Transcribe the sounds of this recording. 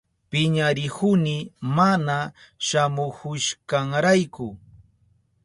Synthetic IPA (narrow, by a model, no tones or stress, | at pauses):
pɪɲaɾɪhʊnɪmanaʃamʊhʊʃkaŋɾajkʊ